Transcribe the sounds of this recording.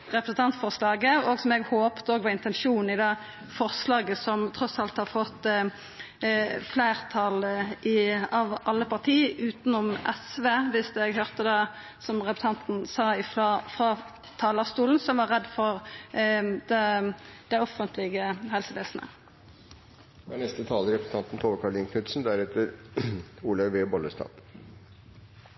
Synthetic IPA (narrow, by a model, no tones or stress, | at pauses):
ʁɛpɾəsn̩t̪ʰɑnt̪fɔʁslɑːɡəɔɡsɔmɛɡhoːpt̪əoːɡʋɑɪnt̪ɛnʃuːnn̩ɪd̪ɛ | fɔʁslɑːɡəsɔmt̪ʰʁɔsɑlt̪hɑʁfɔt̪ː | flæːʁt̪ʰɑlʔɪɑʋʔɑlːəpɑʁt̪ʰiːʉːt̪nʊmʔɛsʋeːʋɪsɛɡɦøːʁt̪əd̪ɑ | sɔmʁɛpɾt̪ɑnt̪n̩sɑːɪffʁɑː | t̪ʰɑːlɑst̪uːln̩sɔmʋɑʁɛd̪fɔʁ | d̪̥ɛd̪̥æɪɔfənt̪lɪɡəhɛlsəʋeːsnə̰ | ɑɳɛst̪ət̪ʰɑːləɾɛpɾsn̩t̪ɑnt̪n̩t̪ʰoːʋəkʰɑɭɪŋkʉt̪sn̩d̪æɾɛt̪əɾ | uːlɑɪʋeːbɔləst̪ɑ̰ːt̪